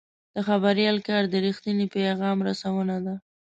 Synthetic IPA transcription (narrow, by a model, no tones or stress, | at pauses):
d̪̥əxabaɾjɑlkɑɾd̪əɾixt̪ənipaɣɑmɾasawənad̪a